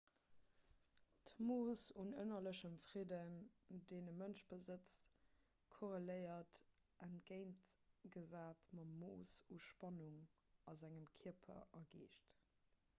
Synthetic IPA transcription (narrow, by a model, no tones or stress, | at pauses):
tmoːsunə̰nɐləɕəmfʁ̥idəndeːnəmənʃb̥əzət͡s | kʰoʁeləɪɐt | ʔænɡ̥eɪntɡ̥əzaːtmɑmoːsuʃpɑnuŋ | ɑzæŋəmkʰiɐpʰɐ̰ʔɐɡeːʃt